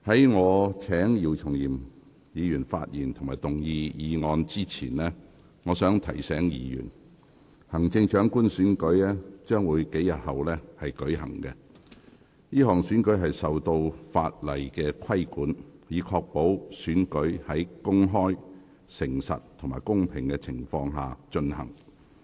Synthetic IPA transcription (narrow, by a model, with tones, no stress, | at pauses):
hɐ˨˥jŋɔː˨˧t͡sʰɛː˨˥ŋjiː˨˩wt͡sʰʊ˨˩ŋjiː˨˩m | jiː˨˧jyː˨˩nfa̰ː˧t̚jiː˨˩nt̪ʰŋmaː˨˩jt̪ʊ˨˩ŋjiː˧jiː˨˧ŋɔː˧nt͡siː˥t͡sʰiː˨˩nlɛː˥ | ŋɔː˨˧sœː˨˥ŋt̪ʰɐ˨˩jsɛː˨˥ŋjḭː˨˧jy̰ː˨˩n | hɐ˨˩ŋt͡sɪ˧ŋt͡ʃœː˨˥ŋkuː˥nsyː˨˥nkɵ˨˥ɥlɛː˥t͡ʃœː˥ŋwuː˨˧jke˨˥jɐ˨t̚hɐ˨wlɛː˥hɐ˨jkɵ˨˥ɥhɐ˨˩ŋkɛ˧ | jiː˥hɔː˨˩ŋsyː˨˥nkɵ˨˥jɦɐ˨jsɐ˨wt̪o˧wfaː˧t̚lɐ˨˩jkɛː˧kʰɐ˥jkuː˨˥njiː˨˧kʰɔː˧k̚po˨˥wsyː˨˥nkɵ˨˥ɥhɐ˨˥jkʊ˥ŋɦɔː˥j | sɪ˨˩ŋsɐ̰˨tt̪ʰʊ˨˩maː˨˩jkʊ˥ŋpʰɪ˨ŋkɛː˧t͡sʰɪ˨˩ŋfɔː˧ŋɦa̰ː˨t͡ʃɵ˧nhɐ˨˩ŋ